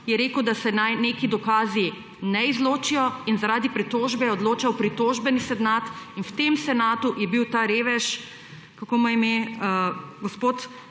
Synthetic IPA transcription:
jɛɾeːkəwd̪asɛnajnekid̪ɔkaːzi | nɛizloːt͡ʃijɔinzaɾaːd̪ipɾit̪oːʒbɛjɛɔd̪loːt͡ʃawpɾit̪oːʒbɛnisɛɡnaːt̪inwt̪emsɛnaːt̪ujɛbiwt̪aːɾeːʋɛʃ | kakoːmɔime | ɡospoːt̪

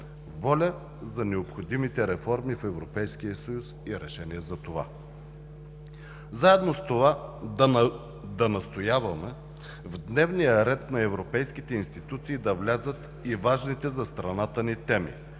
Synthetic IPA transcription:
vɔlʲə | zɐnɛopxod̪imit̪ɛɾɛfɔɾmifɛvɾopɛjskijəsɐjusiɾɛʃɛniɛzɐt̪ova̰ | zaɛd̪nost̪ova | d̪ɐnɐst̪ojavɐmɛ | vd̪nɛvnijəɾɛt̪nɐɛvɾopɛjskit̪ɛinst̪it̪ut̪siːd̪ɐvlʲazət̪ | ivaʒnit̪ɛzɐst̪ɾɐnat̪ənit̪ɛmḭ

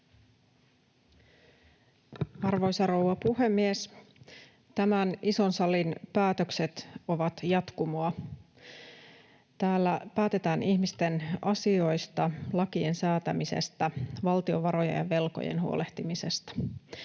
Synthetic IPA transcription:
ɑrʋo̞jsɑɾowɑpuhe̞mːies | t̪æmæniso̞nsɑlinpæːt̪ø̞kse̞t̪o̞ʋɑt̪jɑt̪kumoɑ | t̪æːlːæpæːt̪e̞t̪æːniçmist̪e̞nɑsio̞jst̪ɑlɑkiensæːt̪æmisḛst̪æʋɑlt̪io̞ʋɑɾo̞jɑ̰jɑ̰ʋe̞lko̰jḛnhuo̞̰le̞ht̪imise̞st̪ɑ̥

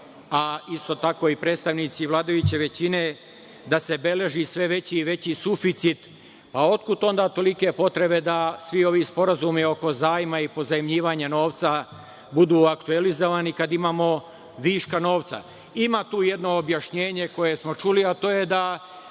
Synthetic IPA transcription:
aist̪o̞t̪ako̞ːipɾe̞ːt̪st̪aʋnit̪siʋlˠaːd̪ajut͡ɕe̞ʋe̞t͡ɕine̞ | d̪asebe̞le̞ʒisʋe̞ʋe̞t͡ɕiʋe̞t͡ɕisufit̪sit̪ | pao̞t̪̚kut̪o̞nd̪aːt̪o̞like̞po̞t̪ɾe̞be̞d̪asʋio̞ʋispo̞ɾazumio̞ko̞zaːjmaipo̞zaimʎiːʋaːɲano̞ːʋt̪sa | bud̪uːakt̪uelizo̞ʋanikad̪imaːmo̞ | ʋiːʃkano̞ːʋt̪sa̰ | imat̪uːjed̪no̞ːbjaʃɲeːɲe̞ko̞je̞smo̞t͡ʃuliat̪o̞ːje̞d̪a

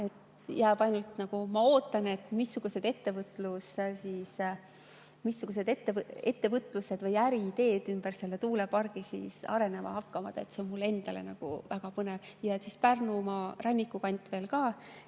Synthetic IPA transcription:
e̞t̪ | jæːb̥ɑjnult̪nɑɡ̥umɑo̞ːt̪ˑːɑne̞t̪ːˑmisːuɡ̥use̞d̪̥e̞t̪ːe̞vɤt̪ːˑlussiːs | misːuɡ̥us̬e̞d̪et̪ːee̞t̪ːe̞vɤt̪ːˑluse̞d̪̥vɤjæɾid̪e̞ːd̪ymb̥erse̞lːe̞t̪uːlepɑrɡ̥isḭsɑ̰ɾe̞ne̞mɑ̰hɑkːɑmɑ̰t̪e̞t̪ːse̞onmulːe̞nd̪̥ɑle̞̰nɑɡ̥ṵvæɡ̥ɑpɤne̞vjɑt̪sispærnumɑrɑnʲːikːˑukɑnʲt̪ːˑve̞ːlkɑː

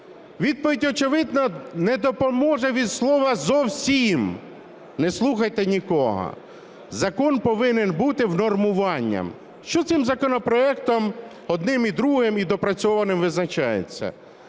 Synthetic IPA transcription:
ʋʲid̪̚pɔʋʲidʲɔt͡ʃɪʋɪd̪nɔnɛd̪ɔpɔmɔʒɛʋʲid̪slˠɔʋɐzɔwsʲim | nɛslˠuxɐjt̪ɛnʲikɔɦɔ̰ | zɐkɔnpɔʋɪnɪnbut̪ɪwnɔrmʊʋɑnʲːɐ̰m | ʃt͡ʃɔt̪sɪmzɐkɔnɔpɾɔɛkt̪ɔm | ɔd̪nɪmid̪ɾuɦɪmid̪ɔpɾɐt͡sʲɔʋɐnɪmʋɪznɐt͡ʃɑjḛt͡sʲːɐ̰

